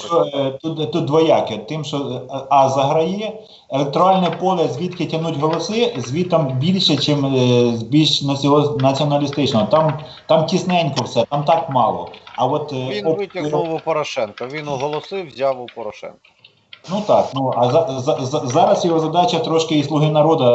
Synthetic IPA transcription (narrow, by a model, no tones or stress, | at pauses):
t͡ʃɔt̪ut̪t̪ːut̪ʋɔjɑkɛt̪ɪmʃɔɑzɐɦɾɐjɛ | ɛlˠek̚t̪ɔɾɑlʲnɛpɔlʲˠɐzʲʋʲit̪kɪtʲɐnutʲɦɔlˠɔsɪzʲʋʲit̪ɐmbʲilʲʃɛt͡ʃɪmzbʲilʲʃnɐsʲɔɦɔnɐt͡sʲiɔnɐlʲist̪ɪt͡ʃnɔɦɔt̪ɑm | t̪ɑmtʲisnɛnʲkɔwsɛt̪ɑmt̪ɑkmɑ̰lˠɔ̰ɐʋɔt̪ɔɪɔʊpɔɾɔʃɛnkɐʋʲinʊɦɔlˠɔsɪwzʲawʊpɔɾɔʃɛ̰nkɐ | nut̪ɑknuɐzɑzzzɑɾɐsjɔɦɔzɐd̪ɑt͡ʃɐt̪ɾɔʃkɪislˠʊɦɪnɐɾɔd̪ɐ